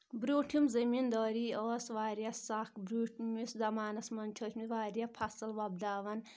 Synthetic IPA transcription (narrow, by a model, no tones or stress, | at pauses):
bɾuːʈʰimzɐmind̪ɔːɾiːɔːsʋaːɾijɐsakbɾuːʈʰmiszɐmaːnɐsmɐnt͡ʃʰoːt̪miʋaːɾijɐpʰɐsɐlʋɐb̚d̪aːʋɐn